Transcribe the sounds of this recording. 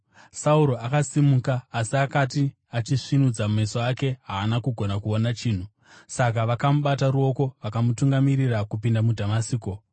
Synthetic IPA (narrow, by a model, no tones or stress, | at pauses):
sauɾo̞akasimukaːsiakati | at͡ʃiʂinud͡zamuesoake̞ɦaːnakuɡʱo̞nakuonat͡ʃiːn̤u | sak̬aʋakamuɓataɾuo̞ko̞ʋakamutuŋɡamirirakupindamudʱamasiːko̞